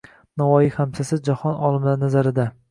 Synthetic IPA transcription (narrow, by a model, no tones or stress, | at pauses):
navɒjihamsasɪd͡ʒahɒnɒlˠɪmlaɾnazaɾɪd̪a